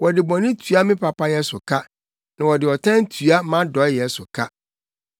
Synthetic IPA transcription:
wɔ˨dɪ˨bɔ̃˨nɪ̃˦tʰu˨˦a˦mɪ̃˦pʰa˨pʰa˦jɛ˦sʊ˨kʰa˦ | nã˨wɔ˨dɪ˨ɔ˨tʰã˦n˦tʰu˨a˦mã˦dɔ˨˦jɛ˦sʊ˨kʰa˦

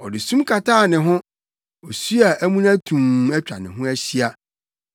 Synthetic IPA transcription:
ɔ˨dɪ˨sũ˦mkʰa˨tʰaː˦˨nɪ̃˨ɦʊ̃˦ | ɔ˨su˦a˨ʔæ˦mũ˦næ̃˦tʰũ˨mɛ˦t͡ɕᶣa̰˨nɪ̃˨ɦʊ̃˦æ˦ɕi˦a˦

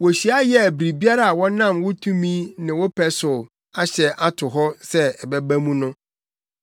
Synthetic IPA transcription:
wɔ˨ɕi˨˦a˦jɛ˨bɾi˨bi˦a˦ɾa˦a˨wɔ̃˦nã˦˨mwʊ˦tʰũ˦mĩ˦nɪ̃˨wɔ˦pʰɛ˦sʊ˨ | a˦ɕɛ˨ʔa˦tʰʊ˨ɦɔ˦sɛ˦ɛ˨bɛ˦bæ˦mũ˦nʊ̃˦

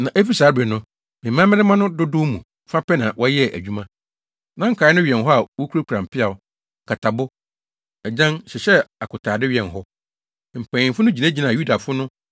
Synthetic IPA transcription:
nã˨ʔe˦fi˦saː˨˦bɛ˨nʊ̃˦ | mɪ̃˨mːã˦mɪ̃˦ɾɪ˦mã˦nʊ̃˦dʊ˦dʊ˦mũ˨˦fa˦pɛ˦nã˨wʔɔ˦jɛ˦ʔæ̰˨d͡ʑᶣu˦mã˦ | nã˦ŋ̩˦kʰaː˨˦nʊ̃˦ɥi˨ɛ̃˨nɦɔ˦a˨wɔ˦kʰu˦ɾo˦kʰu˨ɾã˨m̩˨pʰɪ˦a˨ʊ˦˨ | kʰa˨tʰa˨bʊ˦ | ɛ˨d͡ʑã˦nɕɛ˨ɕɛ˦a˨kʰʊ˨tʰaː˨dɪ˦ɥɛ̃˨nɦɔ˦ | m̩˨pʰæ̃˨ɪ̃˨fʊ˦nʊ̃˦d͡ʑi˨nã˦d͡ʑi˨nã˨ju˦da˨fʊ˦nʊ̃˦

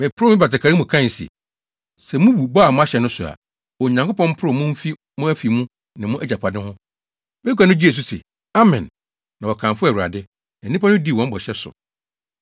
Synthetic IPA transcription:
mɪ̃˨pʰʊ˦ʊ˦mɪ̃˦ba˨ta˨kʰa˨ɾi˦mʊ̃˨kʰã˦˨n˨sḭ˨ | sɛ˨mũ˦wu˨ba˦˨mʊ̃˦a˦ɕɛ˨nʊ̃˦sʊ˨a̰˨ | ɔ˨ɲã˨ŋko˦pɔ̃˦m̩˦pʰʊ˦ɾʊ˦˨mʊ̃˦m̩˦fi˦ | mʊ̃˦æ˦fi˨mũ˦ | nɪ̃˨mʊ̃˦ʔɛ˦d͡ʑa˨pʰa˨dɪ̃˦hʊ̃˦ | bɛ˦kʷa˨nʊ̃˦d͡ʑi˦e˨s̬u˦sḛ˨ | a˦mɪ̃˨nː | ã˨wɔ˨kʰã˨fʊ˦æ˨wu˨ɾa̰˨dɪ˦ | nã˨˦ĩ˦pʰa˦nʊ̃˦di˦˨wɔ̃˦m̩˦bɔ˨ɕɛ˦sʊ̰˨

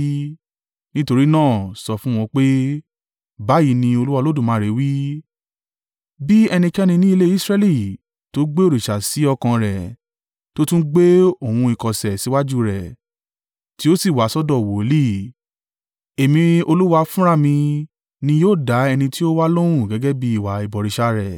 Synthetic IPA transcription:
nĩ˦to˧ɾi˦nãː˦˨sɔ˧fũ˦w̃ɔ̃˧k͡pe˦ | ba˨˦ji˨˦nĩ˧o˧lu˦wa˧lo˦dũ˦˨mãː˨˦ɾe˨˦wi˦ | bi˦ɛ˧nĩ˧kɛ˦nĩ˧nĩ˦i˧le˦i˦sɾɛ˦li˦˨ | to˨˦ɡ͡be˦o˦˨ɾi˨ʃa˨si˨˦ɔ˧kã˧ɾɛ˨ | to˦tũ˦ɡ͡be˦o˦˨ũ˧i˨kɔ˨sɛ˨si˨˦wa˦d͡ʒu˦ɾɛ˨ | ti˦o˦si˦˨wa˨˦sɔ˦dɔ˦˨wo˨˦li˦˨ | e˨mĩ˧o˧lu˦wa˧fũ˦ɾa˦˨mĩ˧ | nĩ˧joː˦˨da˨˦ɛ˧nĩ˧ti˦o˦wa˦lo˦w̃ũ˦˨ɡɛ˨˦ɡɛ˦bi˧˦i˦˨wa˨i˨bɔ˨ɾi˨˧ʃa˧ɾɛ˨

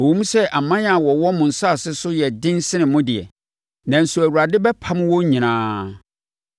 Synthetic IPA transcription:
o˨wõ˦mũ˦sɛ˦ʔa˨mã˦n˦a˨wɔ˨wɔ˦mʊ̃˨n̩˨sa˦˨sɪ˦sʊ˦jɛ˨dɪ̃˦n˦sɪ˦nɪ̃˨mʊ̃˦dɪ˨ɛ̰˨ | nã˨n̩˨su˨æ˨wu˨ɾa˨dɪ˦bɛ˦pʰa˦m̃˦wɔ˦ɲĩ˨nãː˦

